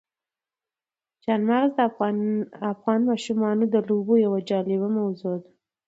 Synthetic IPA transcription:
d͡ʒɑnmaɣzd̪ə | afɣɑnmɑʃumɑnod̪əlobojawad͡ʒɑlɪβamawzod̪a

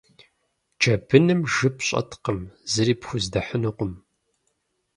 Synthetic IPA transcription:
t͡ʃʰɐbʰɨnɨmʒɨpɕʼɐ̰tʰqəmzɨɾiːpxʷʊzdɐħənuqʷʊm

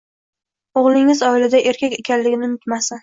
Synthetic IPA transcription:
oʁlˠɪŋɪzɒɪlad̪aʔe̞ɾkʲakʲe̞kʲʰanlɪɡʲɪnɪnʊt̪masa

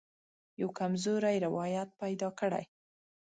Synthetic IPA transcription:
jawkamzoɾajɾɪwɑjat̪̚pajd̪ɑkəɽa̰j

